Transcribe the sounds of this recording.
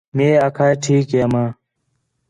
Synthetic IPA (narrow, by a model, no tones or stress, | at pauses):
meːakʰaːeʈʰiːkemaː